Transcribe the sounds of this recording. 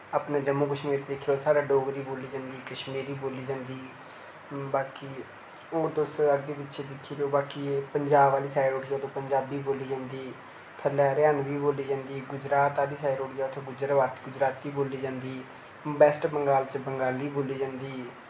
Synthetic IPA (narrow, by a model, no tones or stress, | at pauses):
aːpnaːd͡ʒəmːõːkəʃmiːɾt̪eːd̪ɪkʰijosaːɾaːɖoːɡɾiːboːliːd͡ʒãːnd̪iːkəʃmiːɾiːboːliːd͡ʒãːnd̪iː | baːkiː | oːd̪osəɡd̪eːbɪtːʃʰeːd̪ɪkʰːiːɾeoːbaːkiːpəɲd͡ʒaːbaːliːsaːiɾoːɽijaːd̪õːpəɲd͡ʒaːbiːboːliːd͡ʒãːnd̪iː | t̪ʰəlɛːɾeənʋiːboːliːd͡ʒãːnd̪iːɡʊd͡ʒɾaːt̪aːliːsaːɪɾoːʈijaːʊt̪ʰeːɡʊd͡ʒɾəʋaːt̪ɡʊd͡ʒɾaːt̪iːboːliːd͡ʒãːnd̪iː | bɛːsʈbəŋɡaːlt͡ʃəbəŋɡaːliːboːliːd͡ʒãːnd̪iː